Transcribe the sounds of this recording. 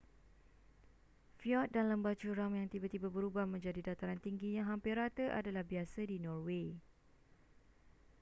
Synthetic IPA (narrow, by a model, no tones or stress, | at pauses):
fjɔt̪̚danləmbat͡ʃuɾaŋjaŋt̪ibat̪ibabəɾubahmə̃ɲd͡ʒadidat̪aɾant̪iŋɡiɲãɦampɪrat̪əʔa̰dalahbiasədinɔrwe